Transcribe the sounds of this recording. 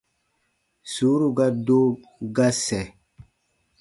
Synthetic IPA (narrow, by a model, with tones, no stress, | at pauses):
su˨˦ɾu˦ɡa˦do˦ | ɡa˦sɛ˨